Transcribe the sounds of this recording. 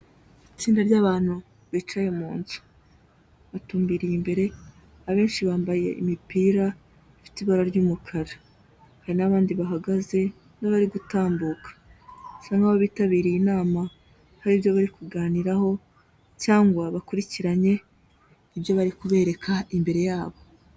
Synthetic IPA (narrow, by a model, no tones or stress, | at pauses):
it͡siːndaɾɟaːβaːn̥hu | βit͡ʃajemuːnzu̥ | βatuːmbiɾijimbe̞ɾe̞ | aβe̞ːnʃiβaːmbaje̞̰ʔḭmipiːɾa | ifi̥tiβaɾaɾɟuːmukʰaɾa | haɾinaβaːndiβaɦaɡaze̞ | naβaɾiɡutaːmbuːkḁsaŋɡaβoβiːtaβiːɾijinaːma | haɾiːβjoβaɾikuɡaːniɾaho̞ | caːŋɡwaβakuɾiciɾaɲe̞ | iβjoβaɾikuβe̞ːɾe̞kʰaimbe̞ɾe̞jaːβo̞